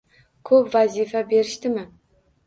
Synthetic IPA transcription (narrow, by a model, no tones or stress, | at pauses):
kʰɵpvazifabe̞ɾɪʃt̪ɪmɪ